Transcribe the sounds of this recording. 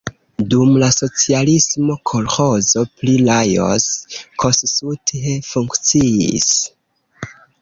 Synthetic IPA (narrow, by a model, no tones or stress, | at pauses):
dumlaso̞t͡sialismo̞kʰolxo̞zo̞plilajo̞̰skʰostsutefuŋkt͡siḭs